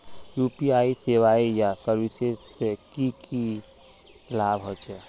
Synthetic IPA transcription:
juːpiaːiseːʋaːijasəɾwɪsesekiki | laːbɦot͡ʃɛ

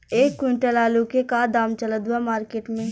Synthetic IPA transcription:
eːkːiɳʈəlaːlukekad̪aːmt͡ʃələd̪wamaːɾkeːʈmẽ

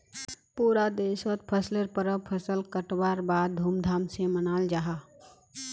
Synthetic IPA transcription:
puːɾad̪eːswət̪̚pʰəsləɾpəɾəpʰəsəlkəʈwaːɾbaːd̪̚d̪ʱuːmd̪ʱaːmsemənaːld͡ʒaːɦaː

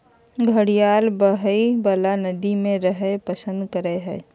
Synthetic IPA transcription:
ɡʱəɽijaːlbəɦəibəlanəd̪imẽɾəɦəpəsə̃nd̪kəɾeɦɛː

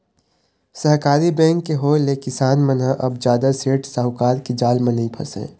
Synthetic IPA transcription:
səɦkaːɾibɛ̃ːŋkːeɦoːlekɪsaːnmə̃nɦə̃ʔɐbd͡ʒjaːd̪aseːʈsaɦʊkaːɾked͡ʒaːlmẽnĩpʰɐ̰sḛ̃ː

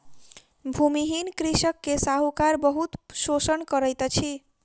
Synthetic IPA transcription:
bʱumiɦinkɾisəkːesaɦukaɾbəɦut̪sosənkʌɾəjt̪t͡ʃʰi

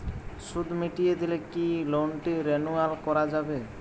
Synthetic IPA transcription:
sud̪ʱmiʈijed̪ilekilonʈiɾenualkɔɾad͡ʒabe

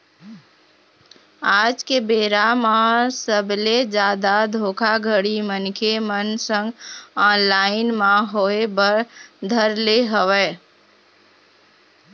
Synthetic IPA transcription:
ad͡ʒkebeɾamasəbled͡ʒad̪ad̪ʱokʰaɡʱəɽimənkʰemənsə̃ŋɡɔnlaɪnmaɦoebəɾd̪ʱəɾleɦəwɛ

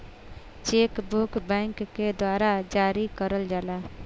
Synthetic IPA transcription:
t͡ʃekbukbɛ̃ŋkːed̪waːɾad͡ʒaːɾikəɾəld͡ʒaːla

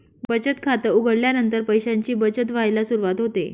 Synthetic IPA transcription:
bət͡ɕət̪kʰat̪əuɡəɽljanənt̪əɾpəjɕaɲt͡ɕiːbət͡ɕət̪ʋ̤ajlasuɾuʋat̪ɦot̪ḛ

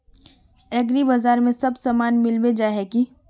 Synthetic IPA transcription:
ɛːɡɾibaːzaːɾmẽsɐbsaːmaːnmɪlbed͡ʒaːɦɛki

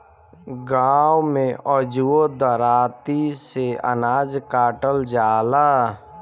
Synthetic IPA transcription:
ɡaːwmẽʔɔd͡ʒuod̪əɾaːt̪iseə̰naːd͡ʒkaːʈəld͡ʒaːla

